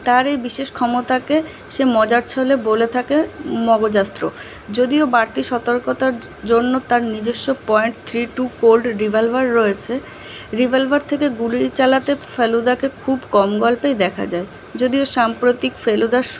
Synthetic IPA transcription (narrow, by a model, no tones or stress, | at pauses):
t̪aɾejbiʃeʃkʰɔmot̪ake | ʃemɔd͡ʑaɾt͡ɕʰɔlebolet̪ʰakemɔɡod͡ʑast̪ːɾo | d͡ʑod̪iobaɾt̪iʃɔt̪oɾkot̪aɾd͡ʑonːot̪aɾnid͡ʑeʃːopɔeɳʈ̚t̪ʰɾiʈukolɖɾibʱalbaɾːoet͡ɕʰe | ɾibʱalbaɾt̪ʰekeɡulit͡ɕalat̪efelud̪akekʰubkɔmɡɔlpejd̪ɛkʰa̰d͡ʑae | d͡ʑod̪ioʃampɾot̪ikfelud̪a